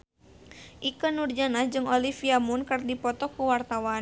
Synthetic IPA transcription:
ʔikənurd͡ʒanad͡ʒɨŋɔlifiamunkərdipɔt̪ɔkuwart̪awan

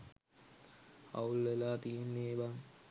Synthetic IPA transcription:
a̰ulːelaːt̪ijenːeːʋaŋ

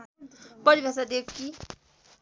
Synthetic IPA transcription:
pʌɾibʱʌsad̪ekki

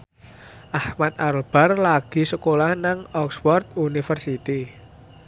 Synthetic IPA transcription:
ʔahmat̪̚alb̥a̤rlaɡ̥i̤səkolahnaŋɔkswɔrt̪unifərsit̪i

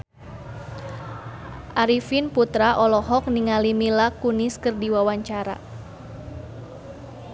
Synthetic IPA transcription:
ʔaɾifinput̪ɾaʔɔlɔɦɔk̚niŋalimilakuniskərdiwawaɲt͡ʃaɾa̰

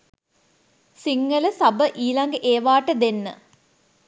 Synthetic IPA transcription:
siŋːələsɐbəʔiːlɐŋɡəʔeːʋaːʈəd̪enːə

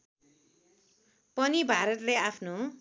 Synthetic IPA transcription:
pʌnibʱaɾʌt̪leapʰno

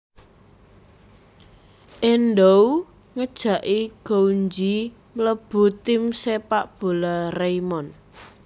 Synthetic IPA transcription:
ʔenɖow | ŋəd̥ʒ̥a̤ʔiɡ̥oɲd͡ʒi | mələb̥ṳt̪ɪmsepaʔb̥o̤larejmɔn

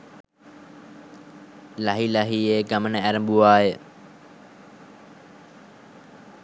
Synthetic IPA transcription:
lɐɦilɐɦieːɡɐmənəæɾəmbuʋaːje

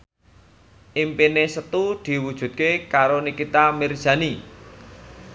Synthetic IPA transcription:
ʔimpinesət̪ud̪̥i̤wud̥ʒ̥ṳt̪̚kekaɾonikit̪amir̥ʒ̥a̤ni

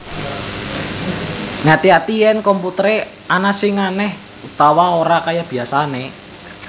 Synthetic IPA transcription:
ŋat̪iat̪ijɛnkɔmput̪əɾe | anasɪŋanɛh | ut̪awaoɾakajab̥i̤asane

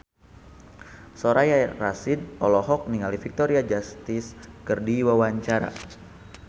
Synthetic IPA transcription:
soɾʔajarasid̚ɔ̰lɔɦɔk̚niŋalifik̚t̪oɾiad͡ʒast̪iskərdiwawaɲt͡ʃaɾa̰

